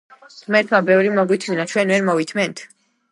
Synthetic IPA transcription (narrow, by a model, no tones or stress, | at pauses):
mɛɾt̪ʰmabɛvɾimɔɡwit̪ʰminat͡ʃʰwɛnvɛɾmɔvit̪ʰmɛnt̪ʰ